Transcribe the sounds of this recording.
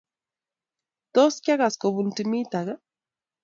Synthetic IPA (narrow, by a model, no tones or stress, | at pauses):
t̪oskjaɣaskoβuntimit̪aɣa